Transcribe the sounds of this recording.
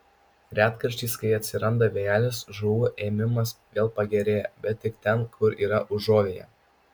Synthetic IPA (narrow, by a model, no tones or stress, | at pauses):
ɾʲæːt̪kɐɾʲʃʲt̪ʲiːskɐɪɐt̪ʲsʲɪɾɐnd̪ɐʋʲeːjæːlʲɪsʒuːʋʊʔeːmʲɪmɐsʋʲeːlˠpɐɡʲɛɾʲeːjɛbʲɛt̪̚ʲːɪkt̪ʲɛnkʰʊɾiːɾɐʔʊʒoːʋʲeːjɛ̰